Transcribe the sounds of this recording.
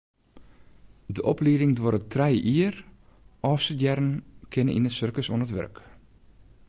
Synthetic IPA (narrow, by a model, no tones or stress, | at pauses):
dəʔɔpliəɾɪŋdwoɾətʰrɛjʔiər | ɔːfsəjɛɾənkʰɪnə̰ʔḭnətsørkəso̰ənətʋø̰rk